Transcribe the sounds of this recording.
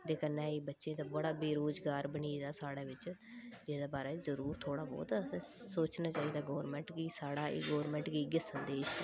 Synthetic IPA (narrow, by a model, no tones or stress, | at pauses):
d̪eːkənːɛ̃ːiːbətːʃẽːt̪ãːbəɽaːbeːɾoːd͡ʒɡaːɾbəɳiːd̪aːsaːɽaːʋɪt͡ʃd͡ʒeːd̪aːbaːɾaːzəɾuːɾt̪ʰoːɽaːbɔ̰ːt̪ːsoːt͡ʃnaːt͡ʃaːiːd̪aːɡɔːɾmɛ̃ɳʈkisaːɽaːḭːɡɔːɾmɛ̃ːɳʈkiːɡɪsənd̪eːʃ